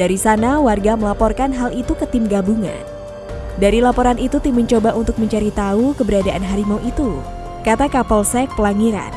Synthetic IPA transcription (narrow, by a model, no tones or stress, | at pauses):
d̥aɾisanawarɡaməlapɔrkanɦalit̪ukət̪ɪmɡabuŋa̰n | daɾilapɔɾanit̪ut̪iməɲt͡ʃobaʔunt̪ʊk̚məɲt͡ʃaɾit̪aukəbəɾadaʔanɦaɾimoʔit̪u | kat̪akapɔlsɛk̚pəlaŋiɾa̰n